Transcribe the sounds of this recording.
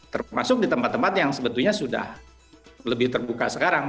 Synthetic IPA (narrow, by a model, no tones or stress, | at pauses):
t̪ərma̰sʊk̚dit̪əmpat̪ːəmpat̪jaŋsəbət̪ulɲasuda̰h | ləbɪht̪ərbuka̰səkaɾaŋ